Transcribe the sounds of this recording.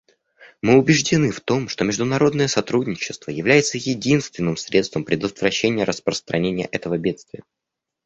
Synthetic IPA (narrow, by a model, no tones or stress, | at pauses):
mɨʊbʲɪʐdʲɪnɨft̪o̞mʂt̪o̞mʲɪʐd̪ʊnɐɾo̞d̪nəjəsɐt̪ɾudʲnʲɪt͡ɕɪ̥st̪vəjɪvlʲæjɪt̪səjɪdʲinst̪vʲɪnːɨmsɾʲʔe̞t̪st̪vəmpɾʲɪd̪ət̪vɾɐɕːenʲɪjəɾʔəspɾəst̪ɾʔɐnʲenʲɪjə̰ʔɛt̪əvəbʲe̞t̪st̪vʲɪjə